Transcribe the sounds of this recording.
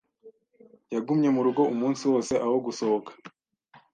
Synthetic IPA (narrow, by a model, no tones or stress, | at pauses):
jaɡumɲe̞muɾuɡo̞umuːnsiwo̞ːse̞ʔaho̞ɡuso̞hokḁ